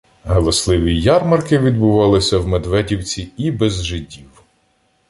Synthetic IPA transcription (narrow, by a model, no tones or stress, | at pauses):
ɦɔlˠɔslˠɪʋʲijɑrmɐrkɪʋʲid̪bʊʋɑlˠɪsʲɐwmed̪ʋɛdʲiwt͡sʲiibɛzʒɪdʲiw